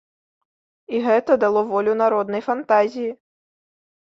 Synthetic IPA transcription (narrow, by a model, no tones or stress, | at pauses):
iɣɛt̪ɐd̪alˠɔvɔlʲunaɾɔd̪nɐjfant̪azʲiji